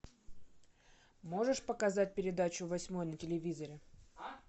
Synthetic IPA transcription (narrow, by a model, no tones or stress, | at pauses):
mo̞ʐɨʂpəkɐzat̚ʲpʲɪɾʲɪd̪at͡ɕʊvɐsʲmo̞jnətʲɪlʲɪvʲizəɾʲɪ